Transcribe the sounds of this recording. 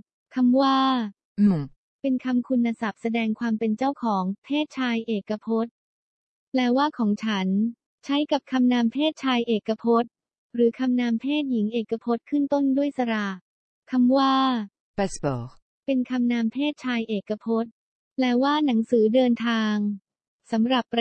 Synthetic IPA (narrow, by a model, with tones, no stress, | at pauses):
kʰa˧mwaː˥˩ | pe˧nkʰa˧mkʰu˧nːa˧sa˨˩p̚sa˧dɛː˧ŋkʰwaː˧mpe˧nt͡ɕa˥˩wkʰɔː˩˦ŋpʰeː˥˩t̪̚t͡ɕʰaː˧jʔeː˨˩kːa˧pʰo˦˥t̪̚ | lɛː˦˥waː˥˩kʰɔː˩˦ŋt͡ɕʰa˦˥n | t͡ɕʰa˦˥jka˨˩p̚kʰa˧mnaː˧mpʰeː˥˩t̪̚t͡ɕʰaː˧jʔeː˨˩kːa˧pʰo˦˥t̪̚ | ɾɯː˩˦kʰa˧mnaː˧mpʰeː˥˩t̪̚ji˩˦ŋʔeː˨˩kːa˧pʰo˦˥t̪̚kʰɯ˥˩nt̪o˥˩ndu˥˩əjsa˧ɾa˨˩ | kʰa˧mwaː˥˩ | pɛ˦˥sbɔ˨˩k̚ | pe˧nkʰa˧mnaː˧mpʰeː˥˩t̪̚t͡ɕʰaː˧jʔeː˨˩kːa˧pʰo˦˥t̪̚ | lɛː˦˥waː˥˩na˩˦ŋsɯː˩˦dɤː˧nt̪ʰaː˧ŋ | sa˩˦mɾa˨˩pːɾ